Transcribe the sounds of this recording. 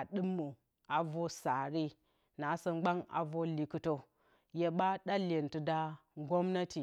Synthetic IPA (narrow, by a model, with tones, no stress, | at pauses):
a˨ɗɨ˦mːu˨ | a˨vo˦sa˨ɾi˦ | na˨˦sə˦ŋ͡mɡ͡ba˦ŋa̰˨vo˦li˨kɨ˨to˦ | je˦ɓa˦ɗa˦le˨ntu˨da˦ŋɡo˦mna˦ti˨